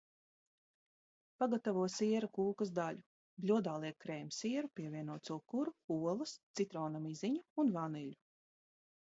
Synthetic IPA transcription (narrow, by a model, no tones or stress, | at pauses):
paɡat̪avuɔjsiɛɾakuːkɐzd̪aʎʲu | blʲuɔd̪aːlˠiɛkːɾɛːjmʲsiɛɾupʲiɛvʲiɛnuɔt̪suɔkuɾuuɔlˠɨst̪sit̪ɾɔːnamiziɲuunvaniʎʲu